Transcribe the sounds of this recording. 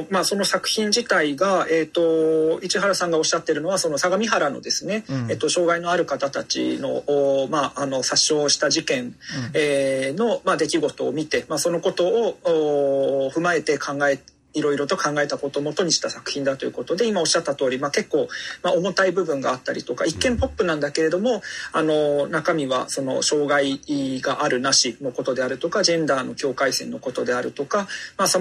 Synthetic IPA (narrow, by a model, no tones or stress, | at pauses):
maːso̞no̞sakɯ̟̥çʲĩɲ̟d͡ʑit̪aiɡae̞ːt̪o̞it͡ɕiɦaɾasãŋɡao̞ɕːat̪ːe̞ɾɯ̟no̞βasono̞saɡamʲiɦaɾano̞̰d̪e̞sɨne̞et̪ːo̞ɕo̞ːɡaino̞aɾɯ̟kat̪at̪at͡ɕḭno̞ːmaːno̞saɕːo̞ːɕi̥t̪aʑikẽ̞neːno̞mad̪e̞kʲiɡo̞t̪o̞ːmʲit̪e̞maso̞no̞ko̞t̪o̞ːoːɸɯ̟mae̞t̪e̞kʰãŋɡae | iɾo̞iɾo̞t̪o̞kãŋɡae̞t̪ako̞t̪o̞mo̞t̪o̞ɲ̟iɕi̥t̪asakɯ̟̥çĩnd̪at̪o̞jɯ̟ko̞t̪o̞d̪e̞imao̞ɕːat̪ːat̪o̞ːɾʲimake̞kːo̞ːmao̞mo̞t̪aibɯ̟bɯ̟̃ŋɡaːt̪ːaɾʲit̪o̞ka̰ikːẽ̞mpo̞pːɯ̟nãnd̪ake̞ɾe̞d̪o̞mo̞ano̞nakamʲiβa̰so̞no̞̰ɕo̞ːɡaiɡaʔaɾɯ̟naɕino̞ko̞t̪o̞d̪e̞aɾɯ̟t̪o̞kad͡ʑẽ̞nd̪aːno̞kʲo̞ːkaisẽ̞nːo̞ko̞t̪o̞d̪e̞aɾɯ̟t̪o̞kamaso